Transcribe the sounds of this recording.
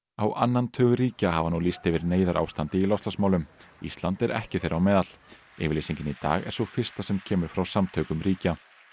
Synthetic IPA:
awʔanːant̪ʰœːɣʏɾiːcahavanulist̪ɛvɪɾneːjðaɾʔa̰ːwst̪ant̪ɪilɔst̪asmawlʏmḭst̪lant̪ɛɾʔɛ̰hcɪθejɾawmɛːðal̥ | ɪːvɪlesiɲcɪnit̪a̰ːɣɛ̰ɾ̥sɔfɪ̥st̪asɛmcʰɛːmʏɾ̥fɾawsamt̪ʰœːkʏmɾiːca

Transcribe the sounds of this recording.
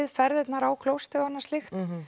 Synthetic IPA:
ɪðfɛɾðɛt̪naɾaːwkʰlowst̪ɪanːḁst̪ɪxt̪

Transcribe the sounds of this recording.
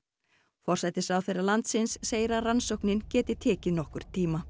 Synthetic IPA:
fɔr̥sajt̪ɪsawθejralant̪sɪnsːeːjɾaransowknɪncɛːt̪ɪt̪ʰɛːcɪnɔhkʏɾ̥t̪ʰiːma

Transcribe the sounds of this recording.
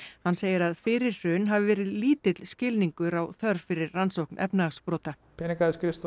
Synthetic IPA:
hanːseːjɪɾaðfɪɾɪɾːʏnɦaːvɪvɛːɾɪðliːt̪ɪt̪l̥scɪlniŋkʏɾawθœɾfɪɾɪɾansowknʔɛ̰pnspɾɔːt̪a | pʰɛːnikaðɪskɾɪst̪

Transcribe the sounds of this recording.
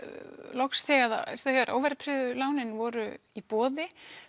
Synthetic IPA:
lɔksθɛɣaða̰st̪avaɾʔo̰ːwvɛɾt̪ʰɾɪðʏlaːwnɪnvɔːɾʏipɔːðɪ

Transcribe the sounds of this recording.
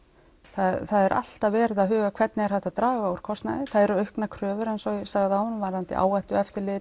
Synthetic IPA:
θaðθaðɛɾʔa̰l̥t̪avɛːɾɪðaðɦʏːɣakʰv̥ɛt̪nɪɛɾhɛft̪at̪ɾaːɣauɾ̥kʰɔst̪na̰ðɪθaðɛɾʏœɥhknakʰɾœːvʏɾɛjnsɔɣsaɣðɪawhɔnːʏmvaɾant̪ɪ̰ʔa̰ːwajht̪ʏɛft̪ɪɾlɪ

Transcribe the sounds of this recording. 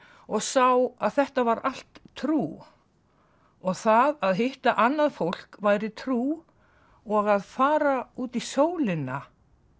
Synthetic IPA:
ɔɣsawaðθɛht̪avaɾal̥t̪ʰːɾuː | ɔɣθaðaðɦɪht̪aʔanːaðfowl̥kvaːjɾɪt̪ʰɾuː | ɔɣaðfaːɾauːt̪isoːwlɪna

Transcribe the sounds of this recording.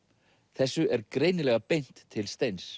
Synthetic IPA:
θɛsːʏɛɾkɾejnɪlɛɣapejn̥t̪ʰːɪlst̪ejns

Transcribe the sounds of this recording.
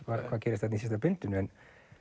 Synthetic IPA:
kɑkɑkirjɑst̪æt̪nʲisisit̪æpynt̪ːynyen

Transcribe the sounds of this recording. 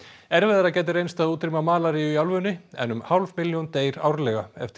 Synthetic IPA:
ɛɾvɛðaɾacɛːt̪ɪɾejnst̪aðuːt̪ɾimamaːlaɾijʏiawlvʏnɪɛ̰nːʏmhawlvmɪljɔnt̪eːjɾa̰wɾlɛːɣaɛ̰ft̪

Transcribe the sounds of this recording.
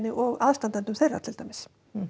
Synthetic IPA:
nɪʔɔɣaðst̪ant̪ɛnt̪ʏmθejra̰̥t̪ʰɪlt̪ajmɪs

